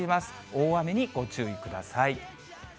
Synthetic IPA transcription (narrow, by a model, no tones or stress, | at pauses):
imasɨ̥ | oːame̞ɲ̟iɡ̥o̞t͡ɕɨːikɯ̟d̪a̰sai